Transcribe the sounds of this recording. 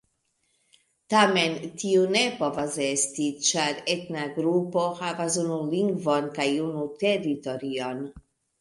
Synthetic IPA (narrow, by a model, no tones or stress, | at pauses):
t̪amɛnt̪iunepɔvazest̪it͡ʃaɾet̪naɡɾupohavazunuliŋɡvɔnkajunut̪ed̪it̪ɔɾiɔn